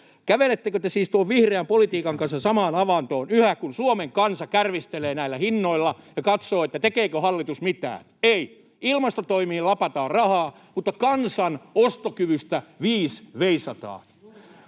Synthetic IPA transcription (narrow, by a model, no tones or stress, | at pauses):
kæʋelet̪ːekøt̪esiːst̪uoʋʋihreæmpolit̪iːkɑŋkɑnsɑsɑmɑːnɑʋɑnt̪oːnyhækunsuomeŋkɑnsɑkærʋist̪eleːnæilːæhinːoilːɑjɑkɑt̪soːet̪ːæt̪ekeːkøhɑlːit̪usmit̪æ̰ːnei | ilmɑst̪ot̪oimiːlɑpɑt̪ɑːrrɑhɑː | mut̪ːɑkɑnsɑnost̪okyʋyst̪æʋiːsʋeisɑt̪ɑ̰ː